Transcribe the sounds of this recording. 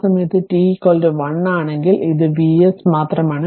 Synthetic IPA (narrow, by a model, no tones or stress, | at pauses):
sɐmɐjɐt̪ːɨʈiːkoːldɨʋɐɳːaːɳe̞ŋɡiliðɨʋiːesmaːt̪rɐmaːɳɨ